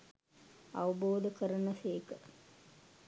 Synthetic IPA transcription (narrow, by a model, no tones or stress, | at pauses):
ɐ̰ʋɐboːd̪əkəɾənɐfeːkə